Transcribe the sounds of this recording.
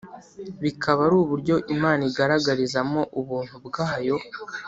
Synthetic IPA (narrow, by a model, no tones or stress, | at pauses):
βikʰaβaɾuːβuɾɟo̞ʔimaːniɡaɾaɡaɾizamo̞ʔuβuːn̥hubɡaːjo̞